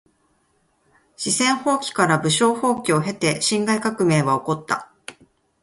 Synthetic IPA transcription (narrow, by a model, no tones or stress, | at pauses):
ɕisẽ̞ɰ̃ho̞ːkʲi̥kaɾabɯ̟ɕo̞ːho̞ːkʲio̞ɦe̞t̪e̞ɕĩŋɡaikakɯ̟me̞ːβao̞ko̞t̪ːa̰